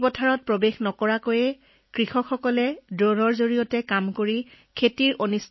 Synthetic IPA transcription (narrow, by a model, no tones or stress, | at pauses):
bɔtʰaɹɔt̚pɹɔbexnɔkɔɹakojɛ | kɹixɔkʰxɔkɔlɛdɹɔnɔɹzoɹijɔtɛkamkoɹi | kʰetiɹʔonis